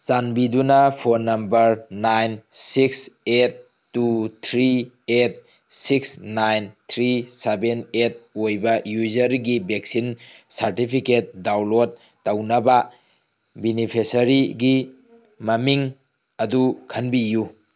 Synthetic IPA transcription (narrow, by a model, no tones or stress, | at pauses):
t͡ʃanbidunɐpʰoɾnɐmbɐɾnajnsikset̚ː | ut̪ʰɾi | et̚ | siksnajnt̪ʰɾisebenet̚ojbɐjuzɐɾɡibek̚sinsɐɾtipʰiket̚dawlot̚ː | awnɐba | binipʰesɐɾiɡi | mɐmiŋ | ɐdukʰɐnbiju